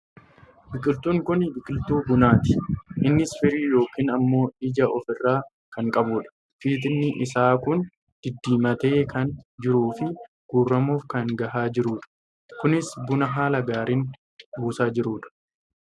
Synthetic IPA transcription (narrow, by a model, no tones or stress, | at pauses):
bɪkʼɪlt̪uːŋkʊnbɪkʼɪlt̪uːbʊnaːt̪ɪ̥ʔɪnːɪsfɪɾiːjo̞ːkiːnɐmːo̞ːɪd͡ʒɐʔɔfɪrːaː | kɐŋkʼɐbuːᶑɐ̥ | fiːt̪ɪnːɪʔɪsaːkʊn | d̪̥ɪd̪ːiːmɐt̪eːkɐnd͡ʒɪɾuːfɪ | ɡ̥uːrːɐmuːfkɐŋɡɐʔaːd͡ʒɪɾuːᶑɐ̥ | kʊnɪsbʊnɐɦaːlɐɡaːɾiːn | buːsaːd͡ʒɪɾuːᶑɐ̥